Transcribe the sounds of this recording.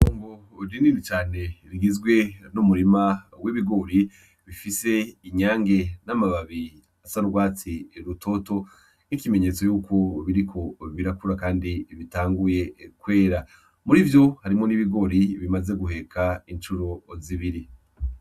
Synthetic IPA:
oːŋɡo | ɾiniːnit͡ʃaːne̞ɾiɡizɡwe̞numuɾimawiβiɡo̞ɾi | βifise̞iɲaːŋɡe̞namaβaβi | asaɾɡwaːt͡siɾutʰo̞to̞ | nikime̞ɲe̞t͡so̞juːkʰo̞βiɾikʰo̞βiɾakuɾakaːndiβitaːŋɡuje̞kwe̞ːɾa | muɾivjo̞haɾimŋo̞niβiɡo̞ɾiβimaze̞ɡuɦe̞kʰaint͡ʃuɾo̞ziβiɾi

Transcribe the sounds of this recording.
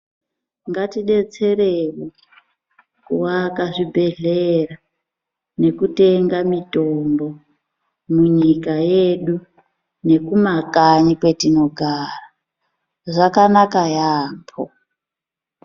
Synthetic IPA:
ŋɡatiɗe̞t͡se̞ɾewo | kuwakaʐibʱe̞ɮera | ne̞kute̞ŋɡamitombo̞ | muɲikajeɗu | ne̞kumakaɲikwe̞tino̞ɡʱaːra | ʐakanakajaːmpʰo̰

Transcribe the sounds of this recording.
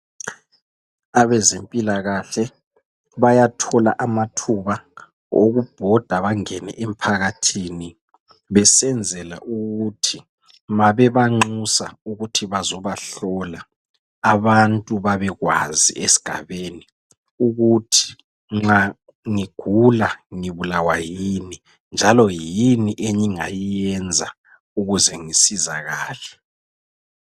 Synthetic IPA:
aβɛzempʼilaɣaɬɛ | βajatʰɔla̰ʔamatʰuβa | o̰ɣub̥ʱɔd̥ʱaβaŋɛnɛ̰ʔem̩pʰaɣatʰiːni | βɛsɛnd͡zʱɛla̰ʔuɣutʰi | maβɛβaŋ͡ǀusa̰uɣutʰiβazɔβaɬɔlaː | βantʼuβaβɛɣwa̰zḭesi̥ɡ̥ʱa̰βeni | uɣutʰi̥ | ŋ͡ǁa | ŋiɡ̥ʱulaŋiβulawajini | nd͡ʒʱalɔjiniʔeɲiŋa̰jijɛnd͡zʱa | uɣuzɛŋisizaɣaːlɛ

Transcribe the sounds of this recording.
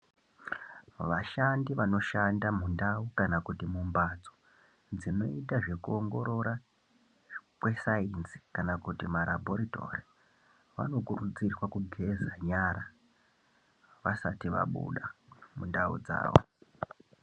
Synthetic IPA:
ʋaʃandiʋano̞ʃandamundaukanakutimumbad͡zo̥ | d͡zino̞̰itaʐe̞kuoŋɡo̞ɾo̞ɾa | kwe̞sainzi̥kanakutimaɾʔa̰bʱo̞ɾito̞̰ri | ʋa̰no̞kurud͡zirwakuɡʱe̞zaɲaɾa | ʋasatiʋa̰ɓṵɗamundaṵd͡za̰ːʋo̰

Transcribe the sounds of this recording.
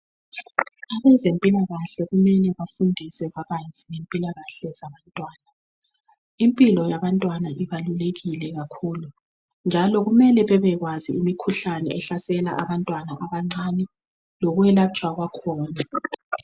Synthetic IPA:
aβɛzempʼilaɣaɬɛɣumɛnɛβafundʱisɛβaɣajz̥iŋempʼilaɣaɬɛzaβantʼwaːna | impʼilɔjaβantʼwanaʔiβaluleɣilɛɣakʰuːlu | nd͡ʒʱalɔɣumɛlɛβɛβɛɣwaziimikʰuɬanɛ̰ʔɛɬasɛla̰ʔaβantʼwanaʔaβaŋ͡ǀanɛ | lɔɣuwɛlat͡ʃʼwaɣwakʰɔːna

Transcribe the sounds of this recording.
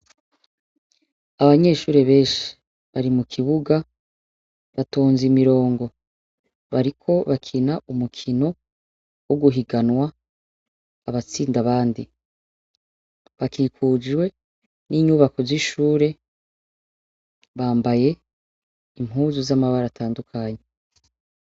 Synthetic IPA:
aβaɲe̞ːʃuːɾe̞βe̞ːnʃi̥ | βaɾimukʰiβuɡa | βato̞ːnzimiɾo̞ːŋɡo̞ | βaɾikʰo̞βakʰinaumukʰino̞ | woɡuɦiɡanwa | aβat͡siːndaβaːndi | βakiːkuːd͡ʒwe̞ | niɲuːβako̞ziʃuːɾe̞ | βaːmbaje̞ | im̥ɦuːzuzamaβaɾatʰaːndukʰaːɲe

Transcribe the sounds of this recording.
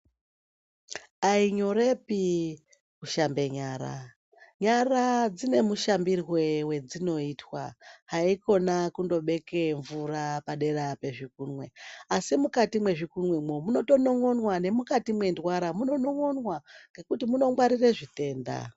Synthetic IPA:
aiɲo̞ɾe̞pi | kuʃambe̞ɲaːɾa̰ | ɲarad͡zine̞muʃambirwe̞we̞d͡zino̞iːtwa̰ɦaiko̞nakundo̞ɓe̞ke̞ɱvurapaɗe̞ɾape̞ʐik̚uːnwe̞asimukatimwe̞ʐikunwemomuno̞to̞no̞ŋo̞nwane̞mukatimwe̞ndwaɾamuno̞no̞ŋo̞nwaŋɡe̞kutimuno̞ŋwaɾireʐite̞ːnda̰

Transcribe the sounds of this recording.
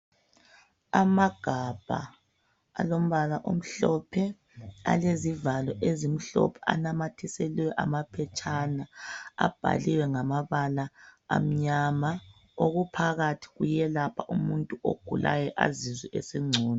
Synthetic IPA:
amaɡ̥ʱab̥ʱa̰ | alom̩βalaʔom̩ɬɔpʰɛ | a̰lezivalɔʔezim̩ɬɔ̰pʰɛ̥a̰namatʰiseliwɛʔamapʰɛt͡ʃʰʼanaa̰b̥ʱa̰liwɛŋamaβala̰ːm̩ɲama | oɣupʰaɣatʰi̥ɣujɛlapʰaʔumuntʼuʔo̰ɡ̥ʱulʔa̰jɛʔa̰ziziʔesiŋ͡ǀʱuːnɔ

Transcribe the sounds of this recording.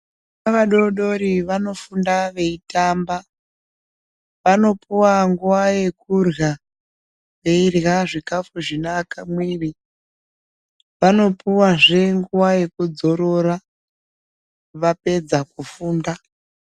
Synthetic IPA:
naʋaɗo̞ɗo̞ɾiʋano̞fundaʋe̞itaːmba | ʋano̞puwaŋɡuwaje̞kurɣa | ʋe̞irɣaʐikafuʐinaːkamwiːri | ʋano̞puwaʐe̞ŋɡuwaje̞kud͡zo̞ɾo̞ɾa | ʋape̞d͡zakufuːnda

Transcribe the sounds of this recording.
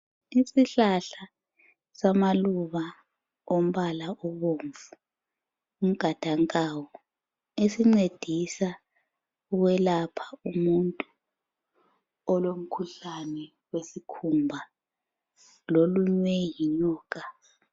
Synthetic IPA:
isiɬaɬa | samaluβa | om̩βalaʔɔβoɱvu̥ | um̩ɡ̥ʱad̥ʱaŋkʼawɔ | esiŋ͡ǀed̥ʱisa | uɣwɛlapʰḁumuntʼu | ɔlom̩kʰuɬanɛ | wesikʰumbʱa | loluɲwɛjiluːk̬a

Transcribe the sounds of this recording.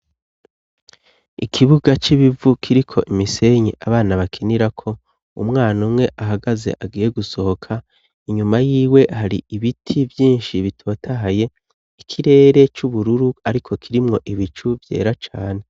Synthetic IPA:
ikʰiβuɡat͡ʃiβivukʰiɾikʰo̞ʔimise̞ɲḛʔaβaːnaβakʰeniɾakʰo̞ | umŋaːnumŋe̞ʔaɦaɡaze̞̰ʔaɡiːje̞ɡuso̞ho̞kʰa | iɲumajiːwe̞haɾiiβitʰivjiːnʃiβitʰo̞ːtʰaɦaje̞ | ikʰiɾe̞ːɾe̞t͡ʃuβuɾuɾuaɾikʰo̞kʰiɾimŋo̞ʔiβit͡ʃuvje̞̰ːɾat͡ʃaːne̞

